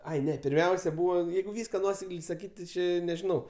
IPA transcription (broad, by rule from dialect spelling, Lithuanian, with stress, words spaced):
ˈɐɪ ˈnʲɛ pʲɪrʲˈmʲɛʊsʲɛ ˈbuːʋɐ ˈjɛɪɡʊ ˈʋʲiːskɐ ˈnuɔsʲɛklʲɛɪ sɐˈkʲiːtʲ tʲɪ ˈt͡ʃʲeː nʲɛʒʲɪˈnɐʊ